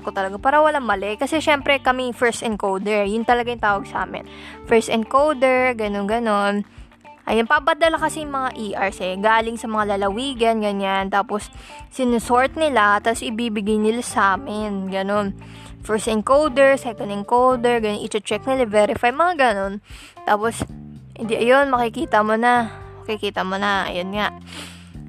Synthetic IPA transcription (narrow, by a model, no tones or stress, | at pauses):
kot̪ɐlɐɡapaːɾɐwɐlaŋmɐlɛkɐsɛʃɛmpɾɛkɐmijfɛɹst̪ɛn̚kowd̪ɛɹjʊnt̪ɐlɐɡajʊŋt̪aːwɐɡsa̰ːmɪ̰nfɛɹst̪ɛ̰nd̪̚kowd̪ɛɹɡɐnonɡɐno̞n | ʔɐ̰jnnpabɐd̪ɐlakɐsɛjʊŋmɐŋaʔiːʔɐɹsɛɡaːlɪŋsɐmɐŋalɐlɐwiːɡɐnɡɐɲant̪aːposːɪnʊsoɹt̪̚nɪlat̪ɐsʔɪbiːbɪɡajnɪlasaːmɪnɡɐno̞n | fɛɹst̪ɪŋkowd̪ɛɹsɛkɔnd̪ɪŋkowd̪ɛɹɡɐnoʔit͡ʃɐt͡ʃɛk̚nɪlavɛːɾɪfajmɐŋaɡɐno̞n | t̪aːpos | hɪ̰nd̪iʔɐjo̞nmɐkɪkiːt̪ɐmonamɐkɪkiːt̪ɐmonɐʔɐ̰jonŋaʔ